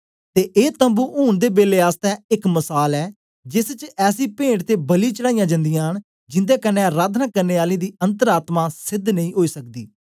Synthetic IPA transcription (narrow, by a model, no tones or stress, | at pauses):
t̪eːʔeːt̪əmbuːʔuːɳd̪eːbeːleːaːst̪ɛ̃ːɪkməsaːlɛː | d͡ʒɪst͡ʃɛːsiːpẽːɳʈt̪eːbəliːt͡ʃəɽaːijãːd͡ʒə̃nd̪ijãːɦəɳ | d͡ʒɪnd̪eːkənːɛ̃ːɾaːd̪ʰʱnãːkəɾneːaːlĩːd̪iːə̃nt̪əɾaːt̪maːsɪd̪ʱnəĩːɦoːiːsək̚d̪iː